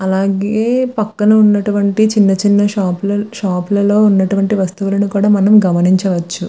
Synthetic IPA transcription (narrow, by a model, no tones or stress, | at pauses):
ɐlaːɡeːpɐkːɐnɐunːɐʈuʋɐɳʈit͡ʃinːɐt͡ʃinːɐaːplɐʃaːplɐlo̞ːunːɐʈuʋɐɳʈiʋɐst̪uʋulɐnukuːɽaːmɐnɐmɡɐmɐniɲt͡ʃɐʋɐt͡ʃːu